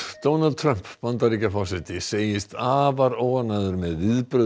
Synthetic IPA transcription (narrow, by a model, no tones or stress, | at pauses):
d̪̥ownald̪̚t̪ʰɾœm̥pvant̪aɾiːcafɔwsɪht̪ɪseːjɪst̪aːvaɾoːwanaðʏɾmɛðvɪðpɾʏ